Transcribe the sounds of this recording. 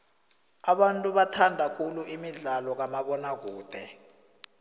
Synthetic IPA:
aɓantʼuɓatʰandʱakʰuluʔimiɮalɔk̬amaɓɔnak̬uːd̥ʱɛ

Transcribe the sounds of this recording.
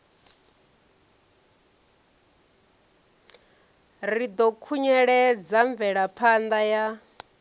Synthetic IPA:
rid̪ɔkʰuɲɛɺɛd͡zaɱvɛɺapʰand̪aja

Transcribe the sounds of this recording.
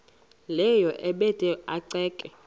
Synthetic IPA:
lɛjɔʔɛɓɛtʼɛaǀɛːkʼɛ

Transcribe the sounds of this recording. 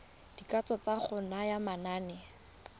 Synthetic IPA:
d̥ikat͡sɔt͡saχʊnajamanaːnɛ

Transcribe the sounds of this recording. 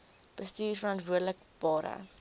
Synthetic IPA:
b̥əstiːrfəɾɑntvuədələk̚ | b̥ɑːɾə̰

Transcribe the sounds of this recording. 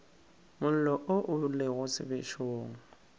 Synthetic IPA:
mʊl̩lɔʔʊʔʊleɣʊsɪ̰bɪʃoːŋ̩

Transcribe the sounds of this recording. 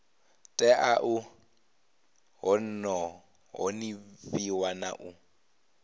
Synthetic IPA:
tʼɛʔaʔu | ɦɔn̩nɔ | ɦɔniviwana̰ʔu

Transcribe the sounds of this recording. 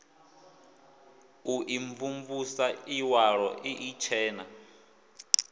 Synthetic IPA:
uʔiɱvuɱvusaiwaɺɔʔiʔit͡ʃʰɛːna

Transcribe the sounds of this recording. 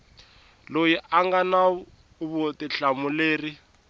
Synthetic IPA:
lojiʔaŋɡana | βʊtiɬamʊleːri

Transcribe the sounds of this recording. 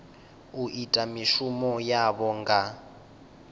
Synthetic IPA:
uʔitʼamiʃumɔjaβɔŋɡa

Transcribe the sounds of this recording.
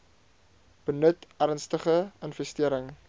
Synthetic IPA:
b̥ənətærnstəχəənfɛstiəɾəŋ

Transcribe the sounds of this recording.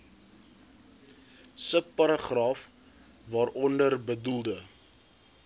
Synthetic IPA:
səpːɐɾəχrɑːf | vɑːɾʔɔndərbədulˠdə

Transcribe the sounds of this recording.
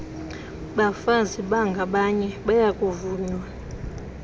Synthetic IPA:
ɓafaziɓaŋɡʱaɓaɲɛɓajakʼuvuːɲwa

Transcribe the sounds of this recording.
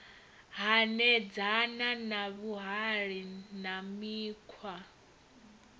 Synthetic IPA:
ɦanɛd͡zananaβuɦaɺinamiːkʰwa

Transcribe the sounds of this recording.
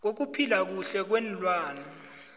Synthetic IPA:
k̬ok̬upʰilak̬uɬɛk̬wɛnlwaːnɔ

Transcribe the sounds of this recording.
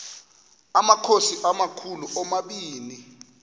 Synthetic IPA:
amakʰosiʔamakʰuluʔɔmaɓiːni

